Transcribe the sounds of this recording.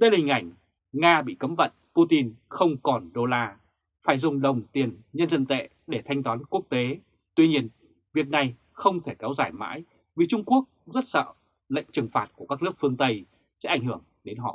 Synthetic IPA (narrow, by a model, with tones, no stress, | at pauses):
ɗə˧jla˨i˨˩ŋ̟ʔa˧˩jŋ̟ | ŋaː˧ɓḭ˧˨kə˨˦mvə̰˧˨npu˧t̪i˧nxə˧wŋ͡mkɔ˨˩nɗo˧laː˧ | faː˧˩jzʊ˨˩ŋ͡mɗə˨˩wŋ͡mt̪i˨˩ənɲə˧nzə˧nt̪ḛ˧˨ | ɗe˧˩t̪ʰa˧jŋ̟t̪waː˨˦nku˦˥ək̚t̪e˨˦ | t̪wi˧ɲi˧ən | vi˨˩ək̚na˨˩j | xə˧wŋ͡mt̪ʰe˧˩kɛ˨˦wzaː˧˩jma̰ː˧˥j | vi˨˩t͡ɕʊ˧ŋ͡mku˦˥ək̚zə˦˥t̚sə̰ː˧˨ | lə̰˧˨jŋ̟t͡ɕɨ˨˩ŋfaː˨˩t̚ku˧˩əkaː˦˥k̚nɨ˦˥ək̚fɨ˧əŋt̪ə˧j | sɛ̰˧˥ʔa˧˩jŋ̟hɨ˧˩əŋɗe˨˦nɦɔ̰˧˨